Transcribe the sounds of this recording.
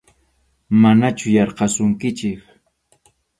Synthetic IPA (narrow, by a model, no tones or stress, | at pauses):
manat͡ʃʊjɑɾqɑsʊŋkɪt͡ʃɪk